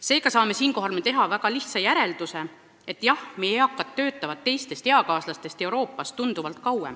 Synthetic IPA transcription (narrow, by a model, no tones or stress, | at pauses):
se̞ːɡ̥ɑsɑːme̞siːnko̞ɦɑlmet̪e̞ɦɑvæɡ̥ɑliht̪sɑjæɾe̞ld̪̥use̞ | e̞t̪ːˑjɑhmeeɑkːˑɑt̪ːø̞ːt̪ːˑɑvɑt̪ːe̞jst̪e̞st̪e̞ɑkɑːslɑst̪e̞st̪e̞uɾo̞ːpːˑɑst̪ːund̪̥uvɑlt̪̚ˑkɑwem